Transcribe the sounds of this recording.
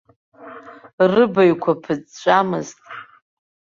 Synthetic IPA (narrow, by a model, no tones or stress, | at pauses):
rɨbajkʷʰapʰɨd͡zʼt͡ʃʷʼamɨ̰ztʼ